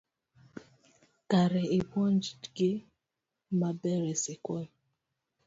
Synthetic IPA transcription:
kaɾɛebɔnd͡ʒitɡe | mabɛɾɛsekɔl

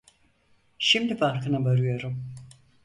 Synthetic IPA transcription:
ʃimd̪ifaɾkʰɯnabaɾɯjo̞ɾum

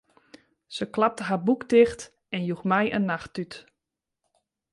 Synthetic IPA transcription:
səklap̚təɦabukdɪxt | ɛnjuxmɛjʔə̰nːaxtyt

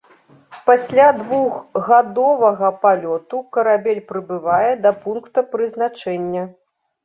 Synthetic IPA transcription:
pasʲlʲad̪vuɣɣad̪ɔvɐɣɐpalʲɔt̪ukɐɾabʲelʲpɾɨbɨvajɛd̪ɐpunkt̪ɐpɾɨzn̪at͡ʂɛnʲːɐ

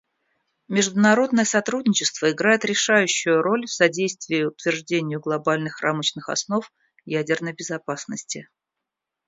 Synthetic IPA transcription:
mʲɪʐd̪ʊnɐɾo̞d̪nəjəsɐt̪ɾud̪ʲnʲɪt͡ɕɪst̪v̥əɪɡɾajɪt̪ɾʲɪʂajʉɕːʊjʊɾo̞lʲfsɐdʲejst̪vʲɪːɪʊt̪vʲɪrʐdʲenʲɪjʊɡlˠɐbalʲnɨxra̰mət͡ɕnɨxɐ̰sno̞f | jædʲɪrnəjbʲɪzɐpasnəsʲtʲɪ

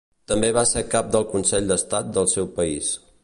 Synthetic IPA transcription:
t̪əmbeβaseɾkap̚d̪əlˠkunsɛʎd̪əst̪at̪̚d̪əlˠsɛwpəis

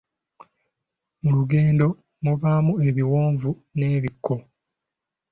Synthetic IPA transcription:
muluɡe̞ːndo̞ | muβaːmue̞βiwoːɱvu | ne̞ːβikʰːo̞

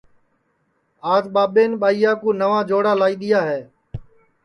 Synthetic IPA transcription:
aːzɓaːɓeːnɓaːiːjaːkuːnəʋãːd͡ʒoːɽaːlaːiːɗ̪ɪjaːɦeː

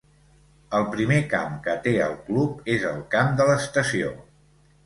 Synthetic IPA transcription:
əlˠpɾimeka̰mkət̪eə̰lˠklup̚ezəlˠkamd̪ələst̪əsio̰

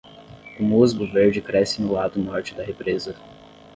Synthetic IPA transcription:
ʊmozɡʊveɾd͡ʒɪkɾɛsɪnʊlad̪ʊnɔɾt͡ʃɪd̪ɐɦepɾezɐ

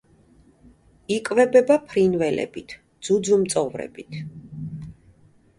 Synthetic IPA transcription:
ikʼvɛbɛbapʰɾinvɛlɛ̰bit̪ʰ | d̪z̥ud̪zumt̪sʼɔvɾɛ̰bit̪ʰ

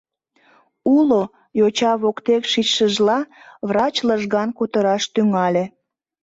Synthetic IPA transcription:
ulo | jot͡ɕɑβokt̪ekʃit͡ɕʃəʒlɑβrɑt͡ɕləʒɣɑnkut̪əɾɑʃt̪yŋɑlʲe

